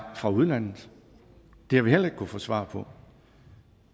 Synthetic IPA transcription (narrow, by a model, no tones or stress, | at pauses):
fʁɑ̈uð̞ˠlæn̰ð̩ˠ | d̥ehæʋihel̰ɐe̝ɡ̥̚kʰufɔːsʋɑ̰̈pʰɒ̽